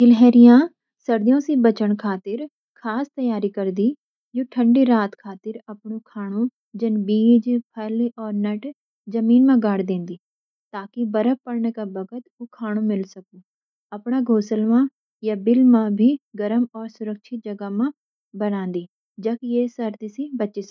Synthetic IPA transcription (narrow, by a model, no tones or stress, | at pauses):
ɪlɦɛːɾɪjãː | səɾd̪ijõːsiːbət͡ʃəɳkʰaːt̪ɪɾ | kʰaːst̪əjaːɾiːkəɾd̪iː | jõːʈʰəɳɖiːɾaːt̪kʰaːt̪ɪɾəpɳũːkʰaːɳ̃ũː | d͡ʒənbiːd͡ʒpʰɛːliʔɔːɾnəʈ | d͡ʒəmiːnmãːɡaːɽd̪ẽːnd̪iː | t̪aːkɪbəɾəpəɽɳkaːbəɡət̪ʊkʰaːɽ̃ũːmɪlsəkuː | əpɳaːɡʱoːsəlmãː | jaːbɪlmãːbʱiːɡəɾəmɔːɾsʊɾəkʃʰɪt̪̚d͡ʒəɡaːmãː | bənãːnd̪iː | d͡ʒaːkjeːsəɾd̪iːsiːbətːʃiːs